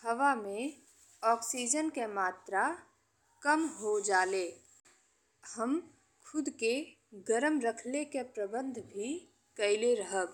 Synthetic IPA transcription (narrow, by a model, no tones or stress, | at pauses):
hɐʋamẽ | ɔːksiːd͡ʒənkemaːt̪ɾa | kəmɦod͡ʒaːleː | həm | kʰʊd̪ke | ɡəɾəmɾəkʰlekepɾəbə̃nd̪ʱbʱi | kɐɪleɾɐɦək